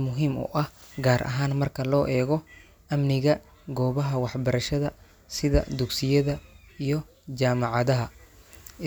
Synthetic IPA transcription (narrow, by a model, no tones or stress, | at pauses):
mʊɦiːmʊ̰ʔɐhɡaːɾʔɐ̰ɦaːnmɐrkʰɐlɔːʔɛːɣɔ | ʔɐmnɪɣɐ | ɡɔːβɐɦɐwɑħbɐɾɐʃɐðɐ | sɪðɐ̰d̪ʊɡsɪjɐðɐijɞ | t͡ʃaːmɑʕɑðɐɦɐ